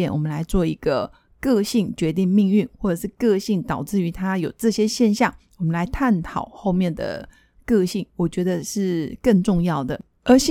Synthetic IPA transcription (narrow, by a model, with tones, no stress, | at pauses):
ɛ˥˩nwɔ˨˩mə˦nla˧˥ɪt͡swɔ˥˩i˧˥ɡ̥ə˧ | kɤ˥˧ɕi˥˩ŋt͡ɕɥɛ˧˥t̪̬i˥˧ŋmi˥˧ŋy˥˨nxwɔ˥˩ʈ͡ʂɤ˨˩ʂɻ̩˥˧kɤ˥˧ɕi˥˩ŋt̪ɑ˨˩ʊt͡sɹ̩˥˩y˧˥t̪ʰa˥jo˨˩ʊʈ͡ʂɤ˥˩ɕjɛ˥ɕjɛ˥˧nɕjɑ˥˩ŋwɔ˨˩mə̃˦nla˧ɪt̪ʰa˥˩nt̪ʰɑ˨˩ʊxo˥˧ʊmjɛ˥˩nd̪ə̰˩ | kɤ˥˧ɕi˥˩ŋwɔ˨˩t͡ɕɥɛ˧˥d̪ə˧ʂɻ̩˥˩kə˥˧nʈ͡ʂʊ˥˧ŋjɑ˥˩ʊd̪ə˩ | ə˞˧˥ɕ